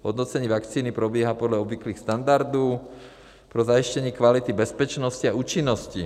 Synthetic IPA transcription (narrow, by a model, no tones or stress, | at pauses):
ɦɔd̪nɔt͡sɛɲiːʋakt͡siːnipɾɔbɪɛɦapɔd̪ʎaɔbʋikliːxst̪and̪aɾd̪ɔʊ | pɾɔzaiʃcɛɲɛkʋalit̪ibɛspɛt͡ʃnɔsciauːt͡ʃinːɔsci